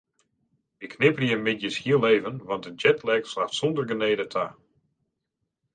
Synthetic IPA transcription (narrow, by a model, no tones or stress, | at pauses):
ɪkʰnɪpərjəmɪdjəshiəlˠːeːvənʋɑnt̚dəd͡ʒɛtʰlɛkslaxtsondərɡəneːdətʰa̰